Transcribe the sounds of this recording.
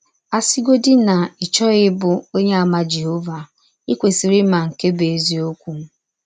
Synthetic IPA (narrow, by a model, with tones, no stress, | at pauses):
a˨si˦ɡo˦dɪ˦na˨ɪ˨t͡ʃɔ˦ɣɪ˦bʊ˨o˦ɲe˦a˨ma˦d͡ʒe˨ɦo˦va˨ | i˦kʷe˨si˨ɾi˦ma˨ŋ̩˨ke˦be˨e˨zi˦o˦kʷu˨˦